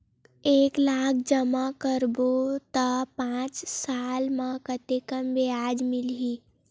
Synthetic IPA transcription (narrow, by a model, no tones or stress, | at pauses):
eːklaːk̚ʰd͡ʒəmakəɾbot̪əpãːt͡ʃsaːlmãkət̪ekəmʋeaːd͡ʒmɪlɦi